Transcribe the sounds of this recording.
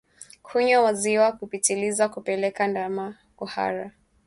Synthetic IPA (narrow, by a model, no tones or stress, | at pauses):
kʰuɲɔwaziwakupitilizakupɛlɛkandama | kuha̰ɾa